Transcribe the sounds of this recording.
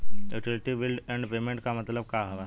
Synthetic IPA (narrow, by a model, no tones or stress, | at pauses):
uʈilʈibilɖɛɳɖpemeɳʈkamət̪ləbkaɦəʋa